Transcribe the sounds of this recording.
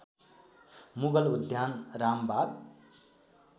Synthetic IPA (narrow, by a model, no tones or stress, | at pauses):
muɡʌlud̪ʱjanrambab